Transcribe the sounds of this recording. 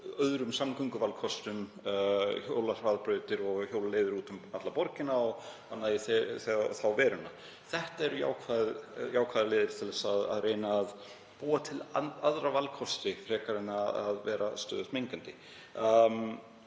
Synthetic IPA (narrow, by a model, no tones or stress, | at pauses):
œðɾʏmsamkʏŋkʏvalkʰɔst̪ʏm | çowlar̥vaðpɾœːɥt̪ɪɾɔɣçjoːwlaleːjðɪɾuːt̪ʏmat̪lapɔɾcɪnaɔɣ | anaːjɪθɛθɛɣθawvɛːɾʏnːa | θɛht̪aɛɾʏja̰ːwkʰvaðjaːwkʰaːðɪleːðɪɾ̥t̪ʰɛlɛsːða̰ðrejnaːð | puːat̪ʰɪlaðɾavalkʰɔst̪ɪfɾ̥ɛːkaɾɪnaaðvɛːɾast̪œ̰ːðʏsmejŋkant̪ɪ